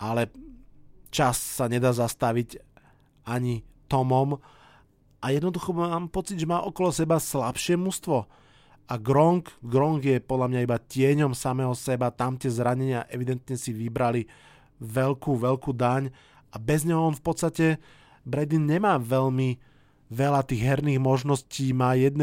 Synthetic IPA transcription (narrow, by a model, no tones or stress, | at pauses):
ʔalɛ | t͡ʃasːaɲɛd̪aːzast̪aʋic | aɲit̪ɔmɔm | ʔajɛd̪nɔd̪uxɔmaːmpɔt͡sid̪ʒɛmaːʔɔkɔlɔsɛbaslapʃɪɛmust̪ʋɔ | aɡɾɔŋkɡɾɔŋɡjɛpɔd̪ʎamɲaibacɪɛɲɔmsamɛːɦɔsɛbat̪amt̪ɪɛzɾaɲɛɲɪaʔɛʋid̪ɛnt̪ɲɛsiʋibɾali | ʋɛlkuːʋɛʎkuːd̪aɲ | ʔabɛzɲɛɦɔɔnfpɔt̪st̪acɛ | bɾɛd̪inɲɛmaːʋɛʎmi | ʋɛlat̪iːɣɦɛɾniːɣmɔʒnɔsciːmaːjɛd̪n